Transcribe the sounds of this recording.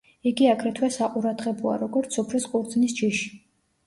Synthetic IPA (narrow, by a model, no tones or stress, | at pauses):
iɡiakʰɾɛt̪ʰwɛsaqʼuɾad̪ʁɛbɔa̰ɾɔɡɔɾt̪ssɔpʰlɛsqʼuɾd̪zʼnist͡ʃʰiʃi̥